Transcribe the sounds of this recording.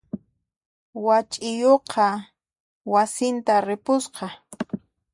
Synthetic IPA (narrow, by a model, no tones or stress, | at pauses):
wat͡ʃʼɪjoqʰɑ | wasɪnt̪aɾɪpʊsqɑ